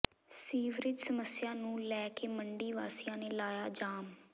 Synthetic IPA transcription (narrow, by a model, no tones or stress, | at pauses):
siːʋɾɪd͡ʒsəməsɪjaːnũːlɛːkeːməɳɖiːʋaːsɪjãːneːlaːjaːd͡ʒaːm